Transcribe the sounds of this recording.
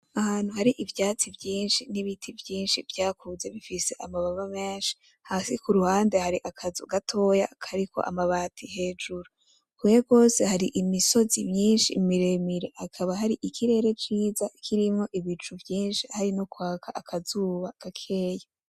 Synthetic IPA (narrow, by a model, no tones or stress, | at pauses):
ahaːn̥huhaɾiʔivjaːt͡sivjiːnʃiniβitʰivjiːnʃivjaːkʰuze̞βifise̞ʔamaβaβameːnʃi̥ | hasikuɾuhaːndehaɾiʔakʰazuɡatʰo̞ja̰kʰaɾikʰo̞̰ʔa̰maβaːtʰihe̞ːd͡ʒuɾo | kujeɡo̞ːse̞haɾiʔimiso̞zimjiːnʃimiɾemiɾe̞hakʰaβaɦaɾiʔikʰiɾe̞ːɾe̞t͡ʃiːzakʰiɾimŋo̞ʔiβit͡ʃuvjiːnʃihaɾinokwaːkʰaʔakʰazuːβaɡ̥akʰe̞ja